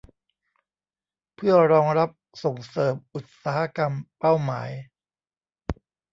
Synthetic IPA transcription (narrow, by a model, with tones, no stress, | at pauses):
pʰɯ˥˩ɐɾɔː˧ŋɾa˦˥p̚so˨˩ŋsɤː˨˩p̚ʔu˨˩t̪̚saː˩˦a˦˥ka˧mpa˥˩wma̰ː˩˦j